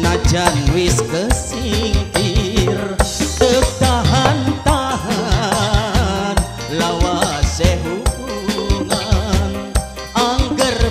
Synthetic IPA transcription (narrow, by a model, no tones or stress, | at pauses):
nad͡ʒanwist̪əsiŋkirt̪ək̚t̪aɦant̪aɦa | n | lawasɛɦukuŋan | aŋɡər